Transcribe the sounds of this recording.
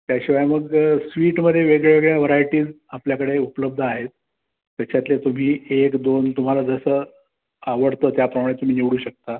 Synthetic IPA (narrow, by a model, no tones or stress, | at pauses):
t̪jaɕiʋajməɡsʋiːʈməd̪ʱjeʋeɡɭjeʋeɡɭjaʋəɾajʈiːd͡z | apljakəɽeupələb̚d̪ʱaɦet̪̚ː | jat͡ɕat̪let̪um̤iːekd̪ont̪um̤alad͡zəsə | aʋəɽt̪ət̪japɾəmaɽ̃et̪um̤iːneʋɽuːɕək̚t̪a